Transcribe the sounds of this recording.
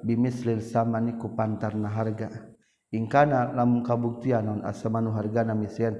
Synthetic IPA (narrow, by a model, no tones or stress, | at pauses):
bimislilsamanikupant̪arnaɦarɡa | iŋkanalamuŋkabuk̚t̪ianɔna̰samanuɦarɡanamislian